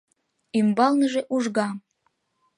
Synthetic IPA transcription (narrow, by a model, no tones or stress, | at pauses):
ymbɑlnəʒeʔuʒɣɑm